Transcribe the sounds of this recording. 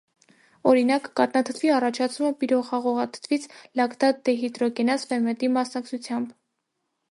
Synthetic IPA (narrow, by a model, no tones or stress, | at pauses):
ɔɾinɑkːɑt̪nɑt̪ʰə̥t̪ʰviɑrɑt͡ʃʰɑt͡sʰuməpiɾɔχɑʁɔʁɑt̪ʰə̥t̪ʰvit͡sʰlɑkd̪ɑt̪̚d̪ɛɦit̪ɾɔkɛnɑsfɛmɛt̪imɑsnɑk̚t͡sʰut͡sʰjɑmb